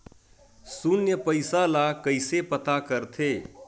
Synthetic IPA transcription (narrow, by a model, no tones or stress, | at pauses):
sunjəpəɪsalakəɪsepət̪akəɾt̪ʰe